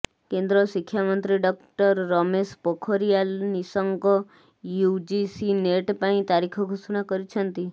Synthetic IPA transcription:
kẽnd̪ɾoʃikʰːjamənt̪ɾiɖɔkʈəɾːɔmespɔkʰoɾijalnisəŋɡɔ | jud͡ʒisineʈpaĩt̪aɾikʰoɡʱusunakəɾit͡ʃʰənt̪i

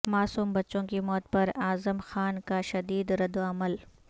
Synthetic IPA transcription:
maːsuːmbɐtːʃõkimɔːt̪̚pɐɾaːzəmxaːnkaʃɐd̪iːd̪ɾɐd̪oɐməl

